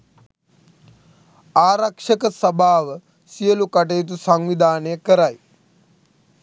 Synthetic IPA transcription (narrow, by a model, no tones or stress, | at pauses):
aːɾɐkʂɐkəsɐbʱaːʋə | sijəlukɐʈ̬ejt̪̬usɐŋʋid̪ʱaːnəjəkəɾaj